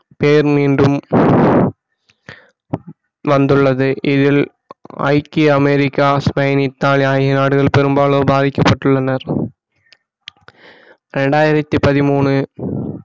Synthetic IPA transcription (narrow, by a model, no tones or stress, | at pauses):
peːɾmiːnɖɯm | ʋɐnd̪ɯɭːɐðɯʔɪðɪl | ɐ̰ɪkːiɐmɛɾɪkːaːspɐjɐnɪt̪ːaːɭaːjɣɪnaːɽɯɣɐɭpɛɾɯmbaːɭoːbaːðɪkːɐpːɐʈːɯɭːɐnɐɾ | ɾɛɳɖaːjɪɾɐt̪ːipɐðɪmuːɳɯ